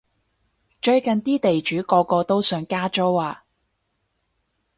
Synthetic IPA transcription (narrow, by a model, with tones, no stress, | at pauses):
t͡ʃɵ˧ɥkɐ˨nt̪iː˥t̪e˨jt͡ʃyː˨˥kɔː˧kɔː˧t̪o˥wsœː˨˥ŋkaː˥t͡ʃo˥waː˨˧